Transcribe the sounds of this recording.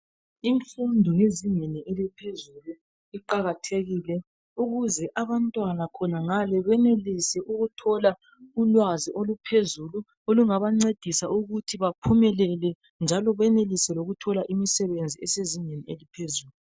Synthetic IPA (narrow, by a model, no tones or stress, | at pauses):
iɱfundʱɔjeziɲeniʔelipʰezulu | iǃaɣatʰeɣilɛ | uɣuzɛʔaβantʼwanakʰɔnaŋalɛβɛnelisɛʔuɣutʰɔla | ulwaziʔolupʰezulu | oluŋaβaŋ͡ǀed̥ʱisauɣutʰiβapʰumɛlɛlɛ | nd͡ʒʱalɔβɛnelisɛloɣutʰɔlaʔimisɛβend͡zʱiɛseziɲenielipʰezuːlu